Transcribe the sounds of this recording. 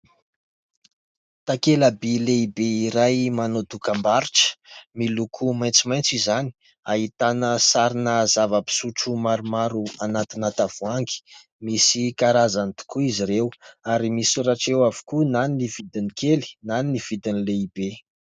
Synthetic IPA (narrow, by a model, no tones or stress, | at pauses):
t̪akelabileibeiɾajmanod̪ukəmbaɾiʈ͡ʂə̥milukʰumajnt͡simajnt͡sizani̥ | aɦit̪anəsaɾinəzavəpi̥suʈ͡ʂumaɾumaɾuanat̪inat̪av̥uaŋɡi̥ | misikaɾazanit̪u̥kuiziɾewaɾimisuɾaʈ͡ʂewavu̥kunaninivid̪inikeli̥naniniv̥id̪inileibe